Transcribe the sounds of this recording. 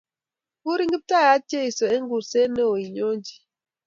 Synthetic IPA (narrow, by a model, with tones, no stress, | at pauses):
u˦ɾi˦ŋɡi˦p̚ta˦ja˨˦t͡ʃe˦i˨sɔ˨e˦ŋɡu˨ɾse˦ne˦o˨i˨ɲo˦nd͡ʒi˨